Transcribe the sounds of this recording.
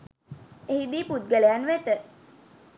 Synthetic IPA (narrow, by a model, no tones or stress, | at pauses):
eɦid̪iːput̪̚ɡəlejanʋet̪ə